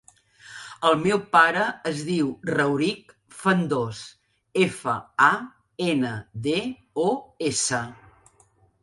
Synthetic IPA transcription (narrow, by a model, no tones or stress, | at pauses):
əlˠmewpaɾəːzðiwrəwɾik | fənd̪os | efə̰a | enəðe | oesə